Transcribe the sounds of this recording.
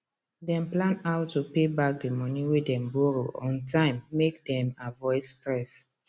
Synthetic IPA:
dɛ̃mplãnaʊtːupebak̚demɔniwedɛ̃mbuɹoɔ̃ntãɪ̃mːek̚dɛ̃mavɔɪsːtɹɛs

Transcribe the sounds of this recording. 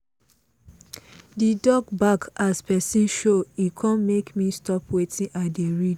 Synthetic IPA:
didɔɡbakaspɛsĩnʃoikʰãnmekmistɔpwetʰĩnʔaɪdeɹid

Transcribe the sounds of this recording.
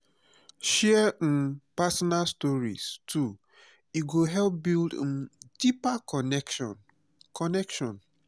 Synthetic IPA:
ʃɛ̃ | pasɔnalstɔɹḭstʰu | iɡoɦɛlp̚bildd̥ipakɔnɛk | kʰɔnɛkʃɔ̃n

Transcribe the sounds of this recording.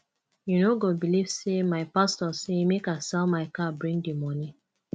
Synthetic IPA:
junoɡobilivsemaɪpastɔsemekasɛlmaɪkabɹĩŋdimɔni

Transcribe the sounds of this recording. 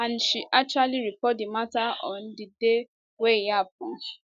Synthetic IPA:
ãn̩ʃiʔak̚t͡ʃualiɾipɔt̚dimataɔ̃ndide | wejap̚ʊ̃

